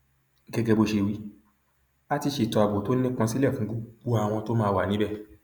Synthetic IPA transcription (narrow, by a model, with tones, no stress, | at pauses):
ɡɛ˧ɡɛ˧bo˧ʃe˧wi˧˦ | a˦ti˧ʃe˨tɔ˧˨a˨bo˨to˨˦ĩ˦kã˧si˦lɛ˦˨fũ˨˦ɡo˦ɡ͡bo˦a˧˨w̃ɔ̃˧to˦mãː˦˧wa˨nĩ˨˦bɛ˦˨